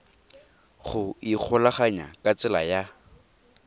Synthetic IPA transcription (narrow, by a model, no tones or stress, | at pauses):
χʊik͡xʰʊlaχaɲa̰kʼat͡sʼɪlaja